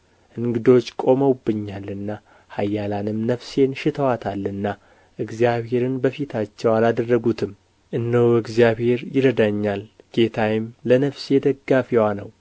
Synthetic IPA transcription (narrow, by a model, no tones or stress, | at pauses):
ʔɨŋɡɨd̪o̞t͡ʃːkʼo̞məwbːɨɲːalɨnːa | hajːalanɨmnəfse̞nʃɪt̪ʰəwat̪ʰalːɨnːa | ʔɨɡzijaβhe̞ɾɨnbəfit̪ʰat͡ʃːɛwalad̪ərːəɡut̪ʰɨm | ʔɨnːəwɨɡzjaβhe̞ɾjɪɾəd̪aɲːal | ɡ̥e̞t̪ʰajɪmlənəfsed̪əɡːafiwanəw